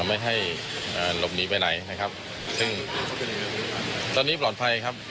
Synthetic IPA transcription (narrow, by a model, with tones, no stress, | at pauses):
ma˥˩jɦa˥˩jʔaː˨˩lo˦˥p̚niː˦pa˧jna˩˦jna˦˥kʰa˦˥p̚ | sɯ˥˩ŋpe˧n˨˧i˧aː˧˩t̪ɔː˧nːiː˦˥plɔː˨˩t̪̚pʰa˧jkʰa˦˥p̚